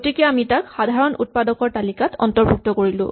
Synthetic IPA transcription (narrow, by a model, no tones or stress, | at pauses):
otikɛamitakxadʱaɹɔnṵt̚padɔkɔɹtalikatʰɔ̰ntɔɹbʱuk̚tɔkoɹilʊ̰̃